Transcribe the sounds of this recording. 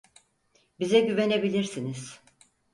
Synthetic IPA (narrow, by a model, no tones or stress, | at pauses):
bizɛɟyve̞ne̞bilʲiɾsiniz̥